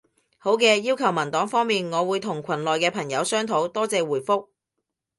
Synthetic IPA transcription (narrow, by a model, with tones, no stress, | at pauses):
ho˨˥wkɛː˧jiː˥wkʰɐ˨˩wmɐ˨˩nt̪ɔː˨˥ŋfɔː˥ŋmiː˨nŋɔː˨˧wuː˨˧jt̪ʰʊ˨˩ŋkʷʰɐ˨˩nlɔː˨jkɛː˧pʰɐ˨˩ŋjɐ˨˧wsœː˥ŋt̪ʰo˨˥wt̪ɔː˥t͡sɛː˧wuː˨˩jfʊ˥k̚